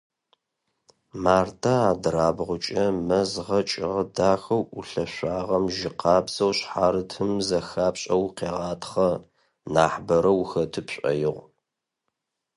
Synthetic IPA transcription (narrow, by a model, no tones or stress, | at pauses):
maːrtʰaaːdraːbʁʷʊt͡ʃʼɐmɐzʁɐt͡ʃʼɪʁɐdaːxɐwʔuɬɐɕʷaːʁɐmʒɪqɑːbz̥ɐwɕħaːɾɨtʰɨmzɐxaːpɕʼɐwqeːʁɑːtχɐ | naːħbɐɾɐwxɐtʰɨpɕʼɐ̰jɪʁʷ